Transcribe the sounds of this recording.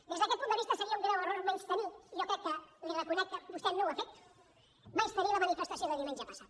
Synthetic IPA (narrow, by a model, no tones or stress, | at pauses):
d̪ezðəkɛt̪pund̪əβist̪əsəɾiaumɡ̪ɾawəroɾmenst̪əniʒokɾɛkːəlirəkunɛk̚t̪əbust̪ɛnːõwafek̚t̪u̥ | majst̪əɾiləmanifeəst̪asioðəðiumẽnʒəpasað